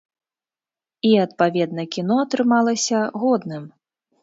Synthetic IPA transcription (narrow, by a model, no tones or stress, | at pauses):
iɐt̪̚pavʲɛd̪nɐkʲin̪ɔɐt̪ɾɨmalˠɐsʲɐɣɔd̪nɨm